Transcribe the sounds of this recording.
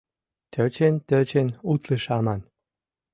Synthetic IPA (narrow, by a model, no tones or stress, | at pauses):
t̪ʰøt͡ɕent̪øt͡ɕenut̪lɨʃɑmɑn